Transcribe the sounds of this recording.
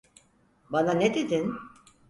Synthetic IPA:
bananed̪ed̪in

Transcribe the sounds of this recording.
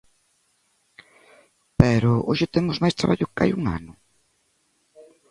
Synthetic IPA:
pɛɾʊʔo̰ʃɪt̪emʊzmajst̪ɾaβaʎʊka̰juŋa̰nʊ

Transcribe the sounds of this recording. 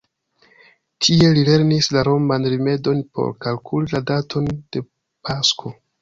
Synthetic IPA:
tʰie̞lile̞ɾnislaɾo̞mbanɾime̞do̞npʰo̞̰ɾkalkʰuliladatʰo̞nd̥e̞ | pʰaskʰo̞

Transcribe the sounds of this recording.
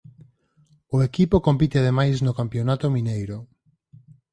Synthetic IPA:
ʊekipokompit̪eað̞emajsnʊkampjonat̪ʊmĩnejɾʊ

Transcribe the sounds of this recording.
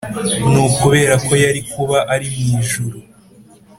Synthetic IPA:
nukuβe̞ːɾako̞jaɾikuβaʔaɾimŋiːʒuɾu

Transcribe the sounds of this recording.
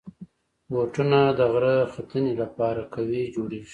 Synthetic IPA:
woʈunad̪əɣɾəxat̪ənelapɑɾakawid͡ʒoɽeʒi

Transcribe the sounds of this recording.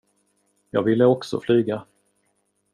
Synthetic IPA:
jɑːɡvɪlːəɔksɔ̰flyːɡa

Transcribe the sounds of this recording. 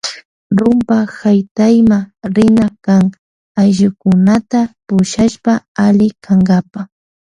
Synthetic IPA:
ɾʊmpahajt̪ajmaɾɪnakaŋ | ajʒʊkʊnat̪apʊʃaʃpaalɪkʰaŋɡapa

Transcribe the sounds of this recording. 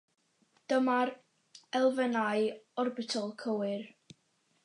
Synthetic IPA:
d̥əmar | ɛlˠvənajɔrbɪtʰɔlˠkʰəwɪr

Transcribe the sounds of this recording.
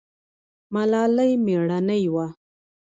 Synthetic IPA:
malɑləjmeɽanajwa

